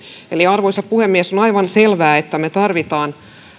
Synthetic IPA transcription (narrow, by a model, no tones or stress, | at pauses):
eliɑrʋoisɑppuhemːiesonɑiʋɑnselʋæːet̪ːæmet̪ɑrʋit̪ɑːn